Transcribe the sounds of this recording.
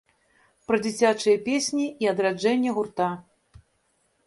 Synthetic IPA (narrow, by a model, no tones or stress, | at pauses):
pɾɐd͡zʲit͡sʲat͡ʂɨjɐpʲesʲnʲiiɐd̪ɾad͡ʐɛnʲːɛɣurt̪a